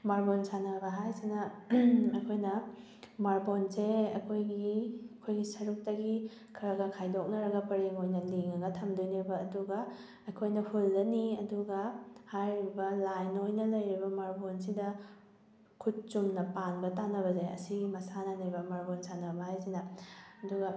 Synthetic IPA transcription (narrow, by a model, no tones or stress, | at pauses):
maɾbonsanɐbɐɦajsinɐ | ɐkʰojnɐ | maɾbonseɐ̰kʰojɡiɐkʰojɡisɐɾuk̚tɐɡi | kʰɐɾɐɡɐkʰajdok̚nɐɾɐɡɐpɐɾeŋojnɐliŋɐɡɐtʰɐmdoniɾbɐːduɡɐ | ɐkʰojnɐhulːɐniɐduɡɐhajɾibɐlajnojnɐlɐjɾibɐmaɾbons̬idɐ | kʰut̚t͡ʃumnɐpanbɐtanɐbɐzajɐ̰siɡimɐsanɐnɐɾbɐmaɾbonsanɐbɐɦajsinɐɐduɡɐ